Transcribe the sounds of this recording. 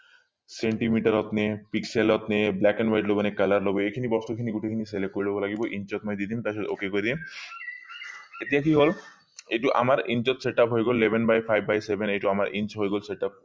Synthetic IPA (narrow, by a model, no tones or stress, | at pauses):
seɳʈimiʈaɾɔt̪nepikselɔt̪neblɛkɛɳwajʈlobonekalaɾlobeekʰinibɔst̪ukʰiniɡuʈʰikʰiniselekoɾilɔbolaɡiboʔint͡ɕɔt̪mɔjd̪id̪imt̪aʃɔd̪o̰kekoɾed̪i | et̪ijak̬iɦol | ejʈuʔa̰maɾint͡ɕɔt̪seʈapɦoeɡolːebʱenbajpʰajbbajsebʱenejʈuamaɾint͡ɕɦoejɡolseʈap̚